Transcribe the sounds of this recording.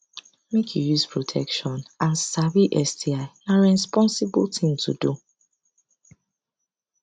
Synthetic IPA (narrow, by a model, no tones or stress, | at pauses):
mekʰjujuspʰɹotʰɛkʃɔ̃nãnsabiʔɛstiaɪnaɹɛspɔ̃nsibultʰĩŋtʰṵdu